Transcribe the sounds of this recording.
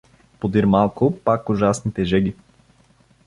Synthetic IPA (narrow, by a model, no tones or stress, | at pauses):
pod̪iɾmalˠkʊpakʊʒasnit̪ɛʒɛɡi